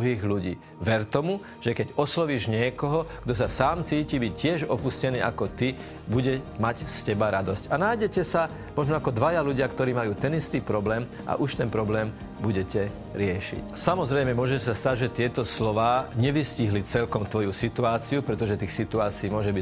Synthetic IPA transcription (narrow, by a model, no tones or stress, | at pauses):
uɦiːɣluɟḭː | ʋɛɾt̪ɔmu | ʒ̥ɛkɛɟɔslɔʋiːʒɲɪɛkɔɦɔɡ̥d̪ɔs̬asaːmt͡siːcibicːɪɛʒɔpuscɛniːʔakɔt̪i | buɟɛmacscɛbaɾad̪ɔscanajɟɛcɛsa | mɔʒnɔakɔd̪ʋajaluɟɪakt̪ɔɾiːmajuːt̪ɛnist̪iːpɾɔblɛːm | ʔa̰ʔuʃt̪ɛnpɾɔblɛːm | buɟɛcɛ | ɾɪɛʃḭcsamɔzɾɛjmɛmʊɔʒɛcɛsast̪aɟʒɛt̪ɪɛt̪ɔslɔʋaːɲɛʋisciɦlit͡sɛlkɔmt̪ʋɔjusit̪uaːt͡siupɾɛt̪ɔʒɛt̪iːxsit̪uaːt͡siːmʊɔʒɛbi